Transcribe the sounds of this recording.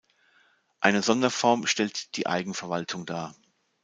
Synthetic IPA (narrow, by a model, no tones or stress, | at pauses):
ʔaɪnəzɔndɐfɔɐmʃtɛltd̥iːʔa̰ɪɡŋ̩fɛɐvaltʰʊŋdaːɐ